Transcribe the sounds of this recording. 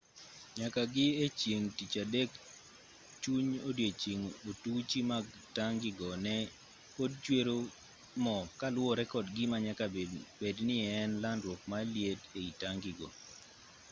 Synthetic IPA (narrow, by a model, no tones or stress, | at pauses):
ɲakaɡɪet͡ʃjeŋtit͡ʃadek | t͡ʃuɲodjet͡ʃiŋotut͡ʃimaɡ | taŋɡɪɡɔnɛ | pod̚t͡ʃweɾo | mɔkalwɔɾɛkɔdɡɪmaɲakabednɪɛnlandwɔk̚maljedeitaŋɡɪɡɔ